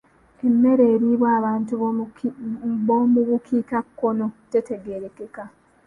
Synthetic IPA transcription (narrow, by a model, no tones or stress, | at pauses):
e̞mːe̞ɾe̞ːɾiβwaːβaːntu | βomuβukʰiːkakːo̞no̞te̞te̞ɡeɾekeka